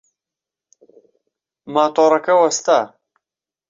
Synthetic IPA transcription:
maːt̪oːɾɐkɐwɐst̪aː

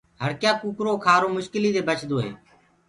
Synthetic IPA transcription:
ɦəɾkjaːkuːkɾoːkʰaːɾoːmʊʃkɪliːd̪eːbət͡ʃʰd̪oːɦḛː

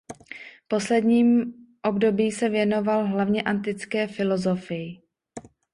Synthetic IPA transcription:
po̞slɛdɲiːmʔo̞bdo̞biːsɛvjɛno̞valɦlavɲɛʔant̪ɪt͡skɛːfɪlo̞zo̞fɪjɪ

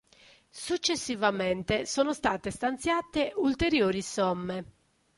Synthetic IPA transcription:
sut͡ʃːesːivament̪esoːnost̪aːt̪est̪ant̪sjaːt̪eult̪eɾjoːɾisɔmːe

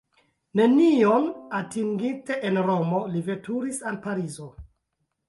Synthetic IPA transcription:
ne̞nio̞natiŋɡite̞ʔenɾo̞mo̞live̞tuɾisanpaɾizo̞

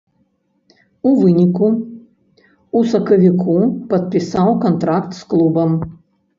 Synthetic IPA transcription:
uvɨnʲiku | usɐkɐvʲikʰupɐt̪̚pʲisawkɔnt̪ɾakt̪sklˠubɐm

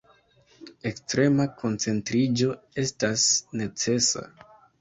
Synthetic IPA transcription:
e̞kstɾe̞makʰo̞nt͡se̞ntɾid͡ʒo̞e̞stasne̞t͡se̞sa̰

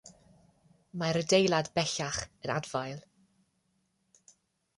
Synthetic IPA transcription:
majɾədejlˠadbɛɬaχənadvajlˠ

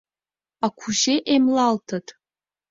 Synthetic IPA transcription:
akʷʰuʒeʔemlaltʰatʼ

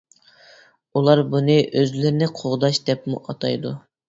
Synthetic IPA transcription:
ulˠɑɾbunɨʔøzlɪɾnɪqʰoʁd̪ɑʃd̪ɛpmṵʔɑt̪ʰɑ̰jd̪u

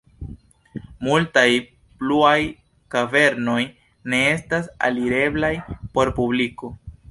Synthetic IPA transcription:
multaj | pluaj | kave̞ɾno̞j | ne̞e̞stasa̰liɾe̞blajpo̞ɾpubliko̞

